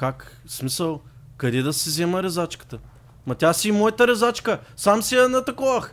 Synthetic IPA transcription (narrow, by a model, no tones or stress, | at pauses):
kak | smisəlˠ | kɐd̪ɛd̪ɐsɛzɛməɾɛzat͡ʃkə̥t̪ə | mɐt̪ʲasimɔjət̪ɐɾɛzat͡ʃkəsamsiɛnɐt̪ɐkɔvɐx